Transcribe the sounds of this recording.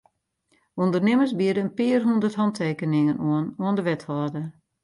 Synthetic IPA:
undərnɪməsbiədəənpɪərɦundərthɑntʰeːkənɪŋənuənuəndəʋɛthɔːdə

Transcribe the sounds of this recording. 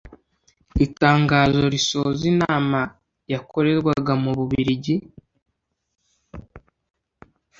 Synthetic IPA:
itaːŋɡaːzo̞ɾiso̞zinaːma | jakʰo̞ɾe̞ɾɡwaɡamuβuβiɾiɟi

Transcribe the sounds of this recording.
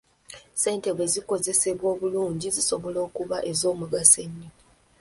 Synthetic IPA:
se̞ːnte̞βwe̞ziko̞ze̞se̞βwo̞ːβuluːɲɟiziso̞βo̞lo̞ːkuβaʔe̞zo̞ːmuɡaseɲːi

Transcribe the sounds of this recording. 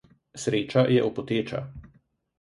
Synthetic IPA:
sɾeːt͡ʃajɛʔɔpɔt̪eːt͡ʃa̰

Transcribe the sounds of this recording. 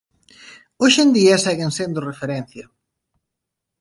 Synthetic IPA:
oʃend̪iɐsɛɣensend̪orefeɾɛn̟θjɐ

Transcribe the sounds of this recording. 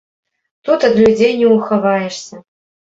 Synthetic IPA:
t̪ut̪ɐd̪lʲud͡zʲejnʲɛuxɐvajɛʂsʲɐ

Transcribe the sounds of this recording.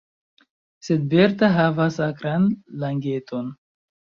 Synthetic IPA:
se̞d̚be̞ɾtaɦavasakɾanlaŋɡe̞tʰo̞n

